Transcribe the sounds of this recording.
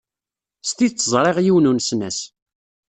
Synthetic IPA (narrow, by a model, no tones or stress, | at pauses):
st̪it͡sːəzˤɾˤeʁjiwnunsnæs